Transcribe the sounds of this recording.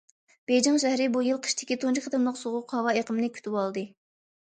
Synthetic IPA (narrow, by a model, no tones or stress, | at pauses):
b̥ejd͡ʒɑŋʃ̬æhɾɪbujɨlˠqʰə̥ʃt̪ʰɪ̥kʲit̪ʰont͡ʃʰɪkʲχət̪ʰɨmlˠəqsoʁʊqhɑwɑeqəmnɨkʲʰy̥t̪ʰywɑlˠd̪ɨ